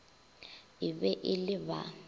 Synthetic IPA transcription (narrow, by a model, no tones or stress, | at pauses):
iβɛʔiliβa̰